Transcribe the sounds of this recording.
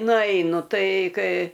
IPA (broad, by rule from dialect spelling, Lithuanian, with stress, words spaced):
nʊˈɛɪnʊ ˈtɐɪ ˈkɐɪ